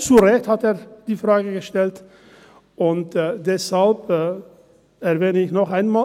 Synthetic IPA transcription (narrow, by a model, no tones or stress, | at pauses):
t͡suʁɛçthateːɐd̥iːfʁaːɡəɡəʃtɛlt | ʊntːdɛshalpː | ɛɐvɛːdəɪçnɔχaɪnmaː